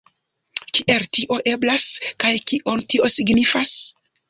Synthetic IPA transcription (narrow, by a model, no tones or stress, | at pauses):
kiʔe̞ltiʔo̞ʔe̞blaskajkiʔo̞ntiʔo̞siɡnifas